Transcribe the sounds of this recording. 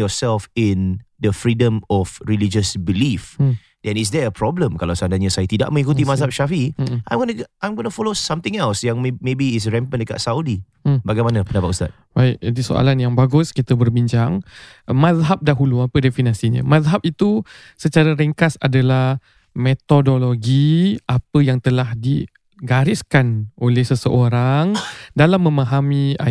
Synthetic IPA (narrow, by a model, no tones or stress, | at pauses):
jɔsɛlfɪ̃nd̪əfɹidə̃mɔfɹilid͡ʒəsbilif | d̥ɛ̃nis̬dɛəpʰɾɔblə̃mkalawsandaɲasajat̪ida̰ʔ̚mə̃ŋikut̪̬imazhap̚ʃafiʔã̰jmɡonəãjmɡonəfɔlosãmt̪ɪ̃ŋɛlsjãŋmmebiːs̬ɹɛ̃mpəndəka̰tsaudi | baɡajmanapəndapat̪̚ust̪a̰t̚baɪʔidiso̰a̰lanjaŋbaɡʊskit̪əbərbiɲd͡ʒaŋ | mazɦap̚daɦuluapədefiniasiɲə̰mazɦap̚it̪u | sət͡ʃaɾaɾɛŋkasa̰dalah | met̪odoloɡiʔapəjaŋt̪əlahdi | ɡaɾɪskanʔolɛhsəsəʔoɾaŋdalamːə̃mãɦamĩa